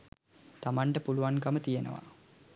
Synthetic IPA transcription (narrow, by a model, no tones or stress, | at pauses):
t̪amaɳʈəpuluʋankamət̪ijenə̰ʋa̰